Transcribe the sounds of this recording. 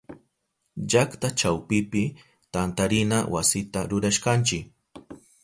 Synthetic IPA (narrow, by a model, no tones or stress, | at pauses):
ʎakt̪at͡ʃawpɪpɪ | t̪ant̪aɾɪnawʔasɪt̪aɾʊɾaʃkant͡ʃɪk